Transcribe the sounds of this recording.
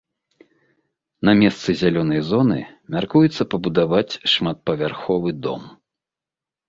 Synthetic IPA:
nɐmʲɛst̪sɨzʲalʲɔnɐjzɔnɨ̰ | mʲarkujɛt̪sːɐpɐbud̪avat͡sʲʂmat̪̚pɐvʲarxɔvɨd̪ɔ̰m

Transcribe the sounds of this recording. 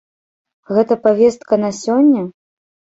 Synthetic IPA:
ɣɛt̪ɐpavʲɛst̪̚kɐnasʲɔnʲːɐ

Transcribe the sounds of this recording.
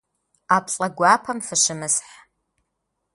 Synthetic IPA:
apʰʼɬʼɐɡʷapʰɐmfɨʂɨmɨsħ

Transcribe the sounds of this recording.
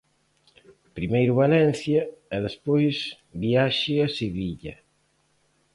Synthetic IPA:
pɾimejɾʊβalɛn̟θjɐɛðespojs | βiaʃɪaseβiʎɐ̰

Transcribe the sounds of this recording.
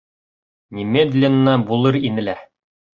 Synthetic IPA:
nʲimʲed̪lʲɪnːɑbulˠɤɾinɘ̆læ

